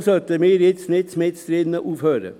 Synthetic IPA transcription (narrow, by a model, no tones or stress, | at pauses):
sœt̪əmiːɾɪt̪snɪt̪smɪt̪st̪ɾiːd̪n̩əʔuːføːɾə̰